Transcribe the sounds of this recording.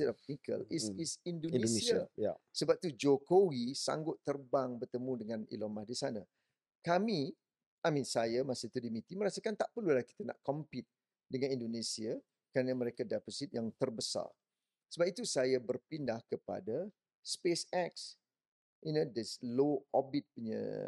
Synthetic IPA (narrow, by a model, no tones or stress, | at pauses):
itɔfikə̰lisisindonsiajsəbap̚t̪ud͡ʒokowisa̰ŋɡʊt̪ːərbaŋbərt̪əmũdəŋãnḭlomahdisana | kami | amĩnsajamasit̪udimit̪iməɾasəkant̪aʔpərlulaki̥t̪ana̰ʔkɔmpit̪̚ | dəŋãnĩndonesia | kɾaanəməɾekadaposit̪̚jaŋt̪ərbəsa̰r | səbap̚it̪usajabərpindahkəpa̰da | spesɛk̚s | ʔinodəsloɔbit̪̚puɲə̰